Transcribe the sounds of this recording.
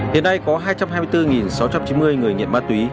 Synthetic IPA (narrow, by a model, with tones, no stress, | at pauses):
hḭ˧˨əna˧jkɔ˨˦ɦaː˧jt͡ɕa˧mɦaː˧jmɨ˧jt̪ɨ˧ŋi˨˩nsa˨˦wt͡ɕa˧mt͡ɕi˨˦nmɨ˧əjŋɨ˨˩əjŋḭ˧˨ənmaː˧˥t̪wi˨˦